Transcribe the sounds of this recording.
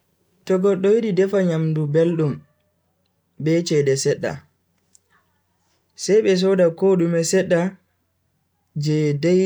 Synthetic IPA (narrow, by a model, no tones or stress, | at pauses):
tɔɡɔɗːɔwiɗidɛfaɲamdubelɗum | bɛt͡ʃɛdɛsɛɗːa̰ | sɛjɓɛs̬ɔdakoɗumɛsɛɗːa | d͡ʒɛdɛ